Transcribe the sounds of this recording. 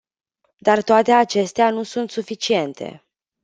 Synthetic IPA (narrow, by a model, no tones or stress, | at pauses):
d̪art̪oat̪e̞at͡ʃe̞st̪eanusunt̪sufit͡ʃie̞nt̪ʰe̞̰